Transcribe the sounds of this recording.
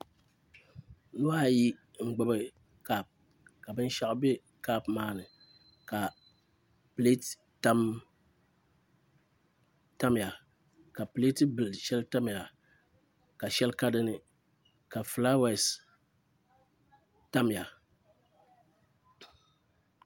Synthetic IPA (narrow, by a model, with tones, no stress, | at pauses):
nʊ˦a˦˨ji˦ | ŋ̩˨ɡ͡bɨ˦bɨ˦ | ka˦p̚ | ka˨bɨ˦n˦ʃa˦ʔbe˦ | ka˦pmaː˦nɨ˨ | ka˨ | ple˦t | ta˦m | ta˦m˨a˨ | ka˨ple˦tɨ˦bɨ˨lʃɛ˦lta˦mja˨ | ka˨ʃɛ˦lka˦dɨ˦nɨ˦ | ka˨fla˦wɛ˦˨s | ta˦m˨a˨